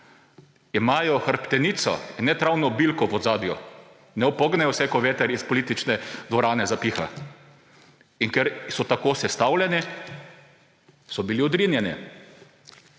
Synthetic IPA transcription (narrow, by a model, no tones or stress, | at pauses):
imaːjɔxəɾpt̪ɛniːt̪sɔ̰inːɛt̪ɾawnɔbilkɔʋɔd̪zaːd̪jɔ | nɛɔpɔɡnɛjɔsɛkɔʋeːt̪ɛɾispɔliːt̪it͡ʃnɛd̪ʋɔɾaːnɛzapiːxa̰ | iŋkɛɾsɔt̪akoːsɛst̪awlʲjɛni | sɔbiliɔd̪ɾiːnjɛnḭ